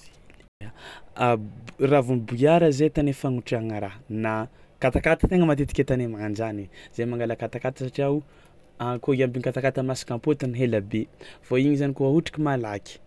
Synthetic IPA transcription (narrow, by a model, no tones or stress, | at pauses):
ravunibujaɾəzet̪anefaŋuʈ͡ʂiaŋaɾana | kat̪akat̪ḁt̪eŋəmat̪et̪i̥kʲet̪anemaand͡ʒaniz̥emaŋɡalakat̪akat̪ə̥saʈ͡ʂiaw | akoambiŋkat̪akat̪əmasi̥kampot̪iniɦelabev̥oiɲizanikuɦauʈ͡ʂḁkimalakʲi̥